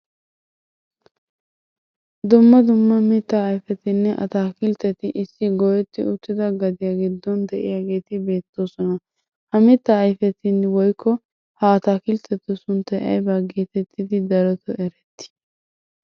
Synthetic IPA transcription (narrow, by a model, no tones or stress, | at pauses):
d̪ʊmːɐd̪ʊmːɐmɪt̪ːaːjfɛt̪ɪnːɛʔɐ̰t̪aːkɪlt̪ɛt̪ɪʔɪsːɪɡɔjɛt̪ːɪ̰ʊt̪ːɪd̪ɐɡɐd̪ɪjaɡɪd̪ːɔnd̪ɛʔɪ̰jaːɡe̞ːt̪ɪbe̞ːt̪ːo̞ːsɔnɐ | hɐmɪt̪ːaːjfɛt̪ɪnːwɔjkʰːɔ | hɐːt̪aːkɪlt̪ɛt̪ːʊsʊnt̪ːɐjʔɐ̰jbɐɡeːt̪ɛt̪ʰːɪd̪ɪd̪ɐɾɔt̪ʰɔʔɛɾɛt̪ːɪ̥